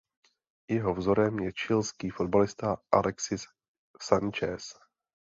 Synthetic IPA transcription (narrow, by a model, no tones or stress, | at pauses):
jɛɦo̞vzo̞ɾɛmjɛt͡ʃɪlskiːfo̞d̪̚balɪst̪aʔalʔɛksɪsː | ant͡ʃɛs